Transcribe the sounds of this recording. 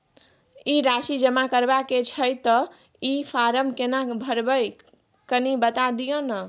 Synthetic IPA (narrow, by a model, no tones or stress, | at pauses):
iɾasid͡ʒəmakəɾbaket͡ʃʰəjt̪ə | ipʰaɾəmkenabʱəɾbəj | kənibət̪ad̪ijənə